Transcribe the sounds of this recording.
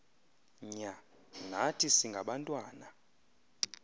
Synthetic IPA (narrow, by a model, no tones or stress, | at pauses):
ɲa | natʰisiŋɡʱaɓantʼwaːna